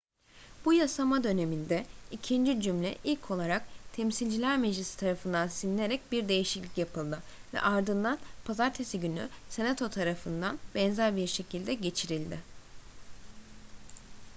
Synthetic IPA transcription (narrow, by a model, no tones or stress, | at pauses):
b̥ujasamad̪ø̞ne̞mind̪ɛicʰind͡ʒid͡ʒymlʲɛ̰ʔilʲcʰo̞lˠaɾakt̪ʰɛmsilʲd͡ʒilʲæɾmed͡ʒlʲisi̥t̪ʰaɾafɯnd̪ansinilʲe̞ɾɛc̚biɾd̪e̞jiʃiclʲicjapʰɯlˠd̪ɯvɛ̰ʔaɾd̪ɯnd̪anpʰazaɾt̪ʰe̞siɟyny̰se̞nat̪ʰo̞t̪ʰaɾafɯnd̪anbɛnzæɾbiɾʃe̞cʰilʲd̪ɛɟe̞t͡ʃʰiɾilʲd̪ɪ